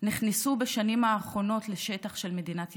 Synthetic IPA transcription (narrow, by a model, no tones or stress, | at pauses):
niχnisubeʃanimaːχʁo̞no̞tleʃetaχʃe̞lmedinat